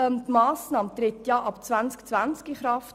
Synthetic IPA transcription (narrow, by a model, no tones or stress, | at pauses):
ɛmtmɑːsnɑːmt̪ɾɪt̪jɑʔɑpt͡sʋænt͡skt͡sʋænt͡skiχɾɑft